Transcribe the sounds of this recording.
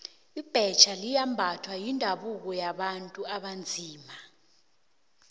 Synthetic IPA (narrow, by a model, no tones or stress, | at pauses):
ib̥ʱɛt͡ʃʰalijambʱatʰwajindʱaɓuk̬ɔjaɓantʼuaɓand͡zʱiːma